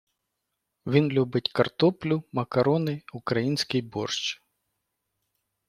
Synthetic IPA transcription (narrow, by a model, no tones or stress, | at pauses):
ʋʲinlʲubɪtʲkɐrt̪ɔplʲʊmɐkɐɾɔnɪʊkɾɐjinʲsʲkɪjbɔrʃt͡ʃ